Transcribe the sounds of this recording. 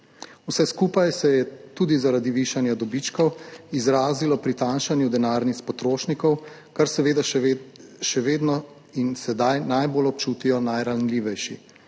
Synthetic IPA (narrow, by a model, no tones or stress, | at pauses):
usɛskuːpajsɛjɛt̪uːd̪izaɾaːd̪iʋiːʃanjad̪ɔbit͡ʃkɔwizɾaːzilɔpɾit̪aːnʃanjud̪ɛnaːɾnixt͡spɔt̪ɾoːʃnikɔw | kaɾsɛʋeːd̪a | ʃɛʋeːd̪nɔ | insɛd̪ajnajbolɔp̚t͡ʃuːt̪ijɔnajɾanliːʋɛjʃi